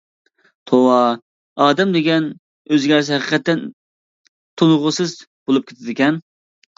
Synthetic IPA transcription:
t̪ʰowɑ | ɑːd̪ɛmd̪eɡʲɛn | øzɡʲɛɾsɪhæqʰə̥qʰɛt̪ːɛn | t̪ʰonʁʊsɨzbolˠup̚kʲʰet̪ʰɪd̪ɪkʲɛn

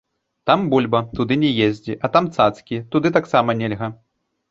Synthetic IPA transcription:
t̪ambulʲbɐt̪ud̪ɨnʲɛjezʲd͡zʲiʔɐt̪amt̪sat̪skʲit̪ud̪ɨt̪aksamɐnʲɛlʲɣɐ

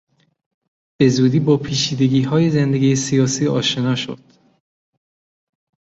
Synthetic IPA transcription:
b̥e̞zuːd̪iːbɒːpʰiːt͡ʃʰiːd̪e̞ɡiːɦɒːje̞zend̪e̞ɡiːjesijɒːsiːɒːʃe̞nɒːʃo̰d̪̥

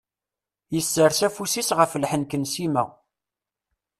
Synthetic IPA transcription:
jəsːəɾsæfusisʁəfəlħənkənsimæ

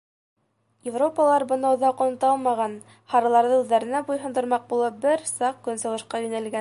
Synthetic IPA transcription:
jɪvro̞pəlˠɑɾbɤ̆nɑŏðɑqŏnɤ̆t̪ɑlˠmɑʁɑn | hɑɾɑlˠɑɾðɤʉðːæɾɘ̆næbujɦɤ̆nd̪ɤ̆ɾmɑq̚bulˠɤp̚bɘɾsɑq̚kɵnsɤ̆wɤ̆ʃqɑjʉnælɡæn

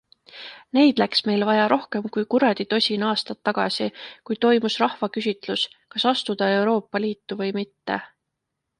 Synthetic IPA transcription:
ne̞jd̪̥læksme̞jlvɑjɑɾʔo̞hke̞mkujkuɾɑd̪̥it̪o̞sʲinɑːst̪ɑt̪ːɑɡ̥ɑ̰sikujt̪o̞jmusrɑhvɑkysʲit̪ˑluskɑsɑst̪ud̪̥ɑe̞wɾo̞ːpːˑɑliːt̪ːuvɤjmit̪ːe

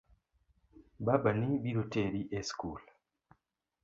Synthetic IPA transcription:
babanibiɾoteɾiʔeskul

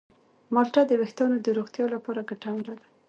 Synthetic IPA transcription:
mɑlʈɑd̪əwext̪ɑnod̪əɾoɣt̪jɑlapɑɾaɡaʈawlad̪a

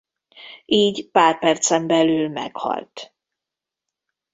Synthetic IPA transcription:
ʔiːɟpaːrpɛrt̪sɛmbɛlyːlmɛ̰khɒ̰lt̪

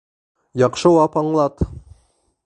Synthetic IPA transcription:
jɑqʃɤwɑpɑɴlˠɑt̪

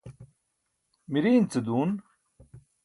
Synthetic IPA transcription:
miɾiːnt͡sɨd̪uːn

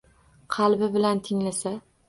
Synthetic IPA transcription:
qʰɑlbɪbɪlant̪ʰɪŋlasa

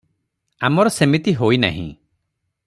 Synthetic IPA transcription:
amɔɾɔsemit̪iɦoina̰ɦḭ̃

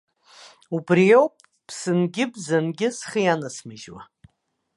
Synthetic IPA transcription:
ubriowpʼ | pʰsɨnɡʲɪbzanɡʲɪsχijanasmɨʒwa̰

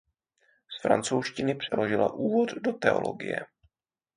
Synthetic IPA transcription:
sfɾa̰nt͡sowʃcɪnɪpr̝̥ɛlo̞ʒɪla̰ʔuːvo̞ddo̞t̪ɛo̰lo̰ɡɪjɛ̰

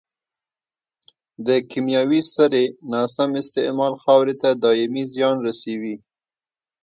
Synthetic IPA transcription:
d̪əkimjɑwisaɾenɑsamɪst̪ɪʔmɑlxɑwɾet̪ad̪ɑjɪmizjɑnɾasewi

